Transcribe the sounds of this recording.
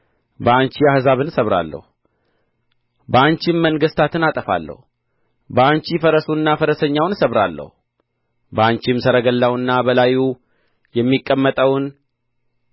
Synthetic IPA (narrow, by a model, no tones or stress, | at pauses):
bəaɲt͡ʃiahzaβɨnsəβɾa̰lːə̰hu | bəaɲt͡ʃɪmːəŋɡəst̪ʰat̪ɨnat̪ʼəfa̰lːə̰hu | bəaɲt͡ʃifəɾəsunːafəɾəsəɲːawnsəβɾalːə̰hu | bəaɲt͡ʃɪmsəɾəɡəlːawɨnːabəlaju | jɛmːikʼːəmːət̪ʼəwn